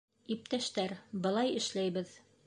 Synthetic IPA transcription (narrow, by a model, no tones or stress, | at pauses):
ip̚t̪æʃt̪æɾbɤ̆lˠɑjɘ̆ʃlæjbɘð